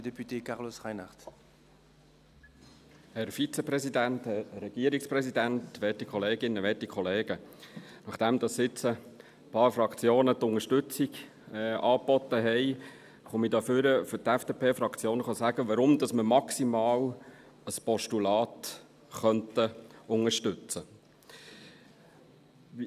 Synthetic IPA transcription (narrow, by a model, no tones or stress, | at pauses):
dɛpyt̪eːkɑʁlosʁaɪnaʁt | hɛɾfit͡sɛprɛsid̪ænt̪hɛɾɛɡ̥iəɾiksprɛsid̪ænt̪ʋɛːtikχɔleːɡɪnːəʋɛtikʰɔleːɡ̥ənɑχd̥æmd̪ɑsɪt͡sə | pɑːɾfrɑkt͡sjoːnət̪ʊŋəʃtʉt͡siɡ | ɑːpɔt̪ːəɦɛɪ | χomidɑːfʏɾəfʏtɛfd̥epʰeːfɾɑkt͡sjoːnəχɑsæɡ̥əʋɑɾʊmd̪ɑsməmɑksimɑːl | əspɔʃtulɑːt | χœntəʊŋəɾʃtʏt͡sə